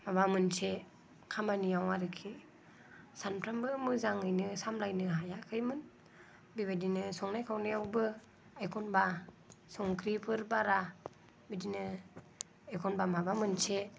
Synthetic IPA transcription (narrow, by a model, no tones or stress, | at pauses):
mabamɯnse | kʰamanijawaɾɯkʰi | sanpʰɾambɯmɯzaŋɯjnɯsamlajnɯɦajakʰɯjmɯn | biβadinɯsɔŋnajkʰawnijawbɯ | ajkʰɔnba | sɔŋkʰɾipʰɯɾbaɾa | bidinɯ | ajkʰɔnbamabamɯnse